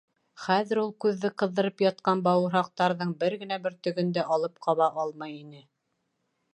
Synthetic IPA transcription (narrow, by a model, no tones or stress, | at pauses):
χæðɘ̆ɾulˠkʉðːɘqɤ̆ðːɤ̆ɾɤpjɑt̪̚qɑnbɑwɤ̆ɾɦɑq̚t̪ɑɾðɤɴbɘɾɡɘ̆næbɘɾt̪ɵ̆ɡɵ̆nd̪æʔɑlˠɤp̚qʰɑβɑʔɑlˠmɑjinɘ